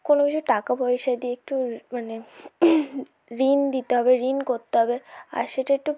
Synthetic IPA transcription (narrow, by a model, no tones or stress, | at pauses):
konokit͡ɕʰuʈakapɔjʃad̪ieek̚ʈumane | ɾind̪it̪eɦɔbeɾinkoɾt̪eɦɔbea̰ɾʃeʈaek̚ʈu